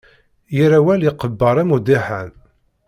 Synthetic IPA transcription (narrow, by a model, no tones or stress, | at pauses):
jiɾæwæljiqəbːəɾˤæmud̪iħæn